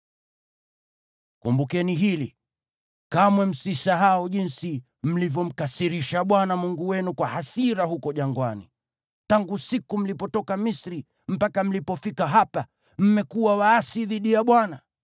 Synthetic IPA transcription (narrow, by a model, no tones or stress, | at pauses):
kumbukɛniɦili | kamwɛm̩sisaɦaɔʄinsi | m̩livjɔm̩kasiɾiʃaɓwanamuŋɡuwɛnukwahasiɾaɦukɔʄaŋɡwanḭ | taŋɡusikum̩lipɔtɔkamisɾi | m̩pakam̩lipɔfikaɦapa | m̩mɛkuwawaːsiðiɗijaɓwana